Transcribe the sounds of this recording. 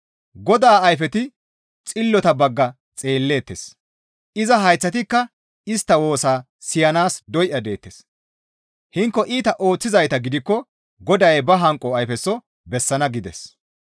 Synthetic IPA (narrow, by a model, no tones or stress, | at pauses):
ɡɔd̪aːɐjfɛt̪ɪ | t͡sʼɪlːɔt̪ɐbɐɡːɐ | t͡sʼe̞ːlːe̞ːt̪ːes | ʔɪzɐɦɐjt͡sːɐt̪ɪkːɐ | ɪst̪ːɐwo̞ːsaː | sɪjɐnaːsd̪ɔjʔɐd̪e̞ːt̪ːes | hɪŋkːɔʔiːt̪ɐʔo̞ːt͡sːɪzɐjt̪ɐɡɪd̪ɪkːɔ | ɡɔd̪ɐjbɐɦɐŋkʼːɔɐjfɛsːɔ | bɛsːɐnɐɡɪd̪ɛ̰s